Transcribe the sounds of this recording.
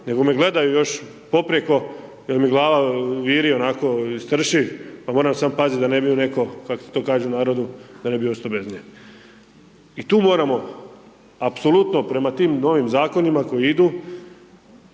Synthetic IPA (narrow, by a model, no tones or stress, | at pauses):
ne̞ɡo̞me̞ɡle̞d̪ajujo̞ʃ | po̞pɾjeko̞ | jelmiɡlˠaːʋaʋiːɾionako̞ist̪r̩ʃipamoːɾamsaːmpazit̪ʲd̪anebiune̞ko̞kakose̥t̪o̞ːkaːʒɛunaːɾod̪ud̪anebiost̪obeznie | it̪uːmoːɾamo̞ | apsolut̪no̞pɾe̞mat̪iːmno̞ʋimzaːko̞nimako̞jiid̪u